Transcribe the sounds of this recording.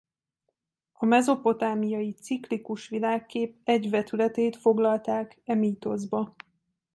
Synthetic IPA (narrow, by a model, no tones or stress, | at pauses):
ɒmɛzo̞po̞t̪aːmijɒjit̪siklikuʃʋilaːkːeːp̚ɛɟvɛt̪ylɛt̪eːt̪fo̞ɡlɒlt̪aːkɛmiːt̪o̞zbɒ